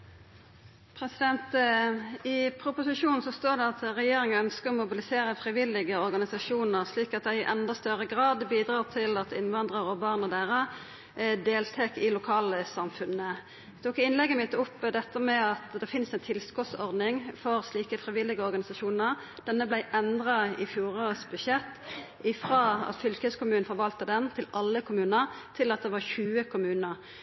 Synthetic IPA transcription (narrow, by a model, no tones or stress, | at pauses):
pʰʁɛsɪd̪ɛnt̪ | ɪpʰɾʊpʊsɪʂuːnn̩sɔst̪oːʁd̪ɛɑt̪ʁɛjeːɾɪŋəœnskəɔmʊbɪlɪseːʁəfʁɪʋɪlːɪɡəɔʁɡɑnɪsɑʂuːnəʁsliːkɑt̪̚d̪æɪʔɛnd̪ɑst̪œʁəɡʁɑːd̪biːd̪ʁɑːʁt̪ʰɪlɑt̪ʰɪnʋɑnd̪ʁəʁɔbɑʁnəʁd̪æːʁə | d̪eːlt̪ʰeːkɪlʊkʰɑːləsɑmfʉnə | t̪ʰuːkɪnlɛɡːəmɪt̪ːəʊpːd̪ɛt̪ːəmɛɑt̪d̪ɛfɪnsæɪnt̪ʰɪlskɔt̪sɔʁd̪nɪŋfɔʁsliːkəfʁɪʋɪlɪɡəɔʁɡɑnɪsɑʃuːnəʁ | d̪̥ɛnːəblæɪʔɛnd̪ʁɑɪ̰fjuːʁosbʉʃɛt̪ː | ɪfʁɑːɑ̰t̪fʏlkəskʊmʉːnfɔʁʋɑlt̪əd̪ɛnt̪ʰɪlɑlːəkʰʊmʉːnəʁt̪ʰɪlɑt̪̚d̪ɛʋɑʁçʉːəkʰʊmʉːnəʁ